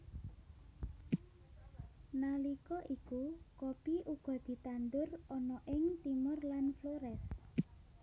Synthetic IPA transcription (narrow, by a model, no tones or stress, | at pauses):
nalikɔʔikukopiʔuɡ̥ɔ̤d̪̥i̤t̪and̪ʊrɔnɔʔɪŋt̪imʊrlanfloɾɛs